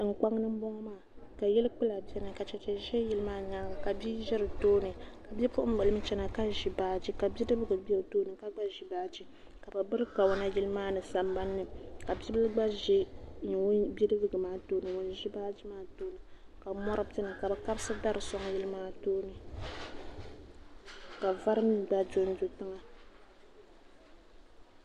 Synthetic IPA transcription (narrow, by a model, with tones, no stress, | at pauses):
ŋ̩˨k͡pa˦ŋnɨ˦m̩˦bɔ˦ŋɔ˦maː˦˨ka˨jɛ˦lɨ˦k͡pɨ˦la˨bɛ˦nɨ˨ka˨t͡ʃɛ˨t͡ʃɛ˨ʒɛ˦ji˦lɨ˦maː˦ɲaː˦ɡa˨ka˨bi˦ʒɛ˦ɾɨ˨toː˦nɨ˨ka˨bɛ˦pʊ˦ʔʊ˦m̩˦bɨ˨lɨ˦mɨ˦t͡ʃɛ˦na˨ka˦ʒi˨baː˦d͡ʒi˦ka˨bi˦dɨ˦bɨ˦ɡɨ˨bɛ˦˨toː˦nɨ˨ka˦ɡ͡ba˦ʒi˨baː˦d͡ʒi˦ | ka˨bɨ˨bɨ˦ɾɨ˦ka˨wʊ˦na˦ji˦lɨ˦maː˦nɨ˨sa˨mba˦nːɨ˦ka˨bʲi˦bɨ˦lɡ͡ba˦ʒi˦ɲ˨˦bi˦dɨ˦bɨ˦ɡɨ˨maː˦toː˦nɨ˨wo˨n˦ʒi˦baː˦d͡ʒi˦maː˦toː˦nɨ˨ka˨mɔ˦ɾɨ˦tɨ˦nɨ˨ka˨bɨ˨ka˦bsɨ˦da˦ɾɨ˨sɔ˦ŋ˨˦ji˦lɨ˦maː˦toː˦nɨ˨ | ka˨va˦ɾɨ˦mi˦ɡ͡ba˦d͡ʒo˦n˦d͡ʒo˦tɨ˦ŋa˨